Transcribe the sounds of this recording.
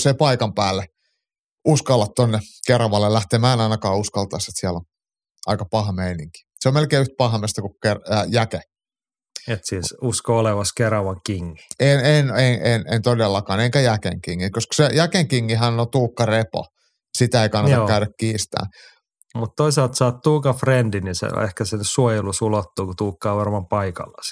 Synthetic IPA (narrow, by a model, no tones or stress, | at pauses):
sepɑikɑmpæːlːe | uskɑlːɑt̪t̪onːekerɑʋɑlːellæht̪emæːnɑinɑkɑːuskɑlt̪ɑiset̪siælo | ʔɑ̰ikɑpɑhɑmeiniŋki̥seomelkeːyht̪̚pɑhmest̪ɑkukkerjæke | et̪siːsuskooleʋɑskerɑʋɑŋkiŋːi̥enenenenḛnt̪odelːɑkɑːneŋkæjækḛŋkiŋːikoskɑ̥sejækeŋkiŋːiɦænot̪uːkːɑrepo̰ | sit̪æeikɑnːɑjɑokæyɾækkiːst̪æ̰ː | mut̪t̪oisɑˑlt̪sɑːt̪t̪uːkɑfrendinisḛḛhkæsenssuojelusulot̪ːuːkut̪uːkːɑːʋɑrmɑmpɑikɑ̰lːɑ̰s